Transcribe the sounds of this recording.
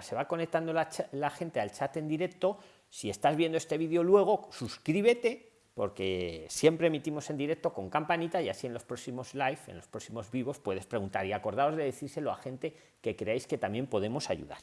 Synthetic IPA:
se̞βako̞ne̞k̚t̪and̪o̞lat͡ʃalaxe̞nt̪e̞alt͡ʃat̪e̞nd̪iɾe̞k̚t̪o̞ | sie̞st̪azβje̞nd̪oe̞st̪e̞β̞iðjo̞lwe̞ɣ̞o̞suskɾiβe̞t̪e̞ | po̞̰ɾke̞sje̞mpɾe̞mit̪imo̞se̞nd̪iɾe̞k̚t̪o̞ko̞ŋkampanit̪aiasie̞nlo̞spɾo̞simo̞zlajfe̞̰nlo̞spɾo̞simo̞zβiβo̞spwe̞ð̞e̞spɾe̞ɣunt̪aɾiako̞ɾð̞ao̞zðe̞ðeθiɾse̞lo̞axe̞nt̪e̞ | ke̞kɾe̞ajske̞t̪amje̞mpo̞ðe̞mo̞sa̰ʝṵða̰ɾ

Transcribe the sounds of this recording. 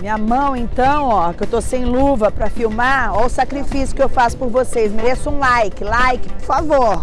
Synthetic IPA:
mĩɲɐmɐ̃w̃ẽnt̪ɐ̃w̃ɔkewt̪osẽj̃luvɐpɾɐfiwmaɾɔʊsakɾifisjʊ̥kɪewfasʊ̥poɾvosejsmeɾesʊũlajkɪlajkɪ̥poɾfavoɾ

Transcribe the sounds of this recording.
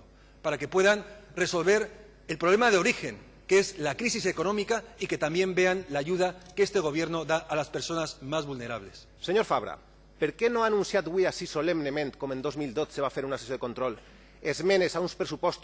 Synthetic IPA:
paɾake̞pweðanreso̞lβeɾ | elpɾoβ̞lemaðeo̞ɾixeŋ | keezlakɾis̬isekonomikaiket̪ambje̞mbeanlaʝuðakest̪eɣ̞o̞β̞jeɾnoðaʔalaspeɾso̞nazmazβulneɾaβles | seɲoɾfaβɾa̰ | peɾkenoanũnsjat̪βwiasisolemnemẽnt̪komend̪ozmild̪ot̪seβafeɾunasesjoekont̪ɾol | ezmẽnesaunspɾesupɔst̪

